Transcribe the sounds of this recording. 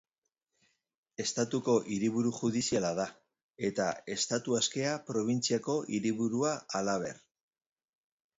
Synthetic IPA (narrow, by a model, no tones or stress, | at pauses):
e̞st̪at̪uko̞ʔiɾiβuɾuxuðisialaða | e̞t̪a̰e̞st̪at̪uaske̞apɾo̞β̞int͡siako̞ʔiɾiβuɾuaːlaβ̞e̞̰ɾ